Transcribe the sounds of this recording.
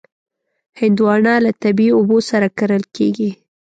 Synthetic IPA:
hɪnd̪wɑɳɑlat̪abiobosaɾakaɾəlkeɡi

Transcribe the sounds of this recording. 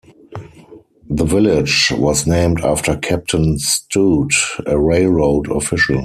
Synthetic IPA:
ðəvɪlɪd͡ʒwɔsnẽɪ̃mtaftə˞kʰæp̚tʰə̃nstuːtəɹeɪlɹoʊdɔ̰fɪʃl̩

